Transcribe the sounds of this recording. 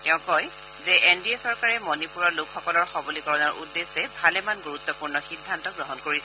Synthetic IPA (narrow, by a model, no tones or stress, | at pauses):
tɛʊ̃kɔj | zɛʔendiesɔɹkaɹɛmɔnipuɹɔɹlokʰxɔkɔlɔɹxɔbɔlikɔɹɔnɔɹʔudːesɛbʱalɛmanɡuɹut̪ːɔpuɹnɔxidʱːantɔɡɹɔɦɔnkoɹisɛ